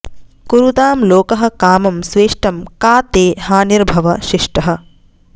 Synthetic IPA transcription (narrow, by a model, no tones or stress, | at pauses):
kuɾut̪aːmloːkɐɦɐ̆kaːmɐmsʋeːʂʈɐmkaːt̪eːhaːniɾbʱɐʋɐʃiʂʈɐɦɐ̆